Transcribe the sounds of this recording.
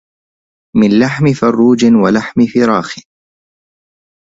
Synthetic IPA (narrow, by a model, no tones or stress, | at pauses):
mɪnlaħmɪfɑrˤːuːd͡ʒɪwalaħmɪfɪɾˤɑːxɪ